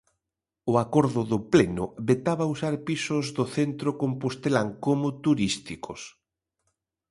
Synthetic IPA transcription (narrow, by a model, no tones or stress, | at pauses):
ʊakoɾðʊðʊplenʊβet̪aβausaɾpisʊzðoθent̪ɾokompost̪elaŋkomʊt̪uɾist̪ikos